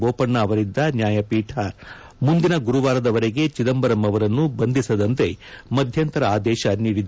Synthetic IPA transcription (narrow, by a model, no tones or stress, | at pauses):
boːpɐɳːɐːʋɐɾid̪ːɐnjaːjɐpiːʈʰɐ | mund̪inɐɡuɾuʋaːɾɐd̪ɐʋɐɾeɡe̞t͡ʃid̪ɐmbɐɾɐmɐʋɐɾɐnːubɐnd̪ʱisɐd̪ɐnt̪e̞mɐd̪ʱjɐnt̪ɐɾɐaːd̪ɛːʃɐniːɾid̪